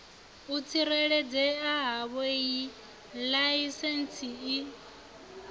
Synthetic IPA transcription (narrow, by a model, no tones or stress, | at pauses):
ut͡sʰiɾɛɺɛd͡zɛaɦaβeji | laisɛnt͡sʰii